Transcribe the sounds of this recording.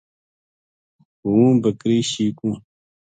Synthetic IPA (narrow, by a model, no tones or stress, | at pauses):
uwũːbəkɾiːɕiːkũː